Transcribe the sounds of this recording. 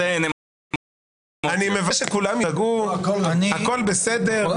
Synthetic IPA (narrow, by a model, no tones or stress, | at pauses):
ene | animevaʃekulamjaɡuknako̞lbesed̪e